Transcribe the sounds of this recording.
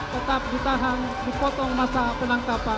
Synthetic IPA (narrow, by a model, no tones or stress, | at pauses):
t̪ət̪ap̚dit̪aɦan | dipɔt̪ɔŋmasapənaŋkapa